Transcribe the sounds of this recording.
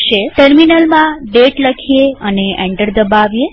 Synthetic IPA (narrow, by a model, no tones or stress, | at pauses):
ʃeʈəɾminəlmãɖeʈləkʰijeəneʔɛ̰ɳʈəɾd̪əbaʋje